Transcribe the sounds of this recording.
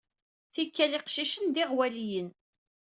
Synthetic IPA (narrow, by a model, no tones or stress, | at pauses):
θikːæliqʃiʃənd̪iʁwælijən